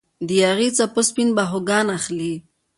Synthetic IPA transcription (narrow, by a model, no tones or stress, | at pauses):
d̪ijaɾit͡sapospinbaɦoɡanaχli